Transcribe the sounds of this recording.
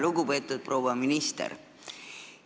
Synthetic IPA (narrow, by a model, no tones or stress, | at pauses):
luɡupeːt̪ːˑud̪̥̚proːwɑminist̪ḛɾ